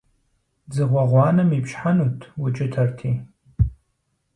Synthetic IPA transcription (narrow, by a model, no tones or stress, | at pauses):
d͡zɨʁʷaʁʷɑːnɨmipʃħanutʰwʊt͡ʃʼɪtʰɐrtʰi